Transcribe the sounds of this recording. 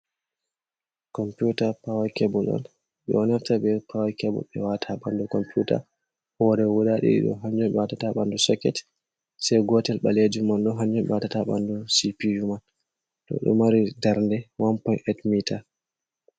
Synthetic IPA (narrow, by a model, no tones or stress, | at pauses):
kɔmpjutapawajkɛbɔlɔ̰n | ɓɛ̰ɔnaftaɓɛpʰawakɛbɔ̰ɓɛ̰watʰaɓandukɔmpjuta̰ | hɔɾɛwuɗaɗḭɗḭɗɔ̰ɦaɲd͡ʒɔmɓɛwatataɓandusɔkːɛt | sɛjɡɔtɛlɓaled͡ʒumanɗɔɦaɲd͡ʒɔmɓɛ̰watataɓa̰ndusipijuman | tɔ̰ɗɔ̰maɾidaɾndɛwampɔnɛtmita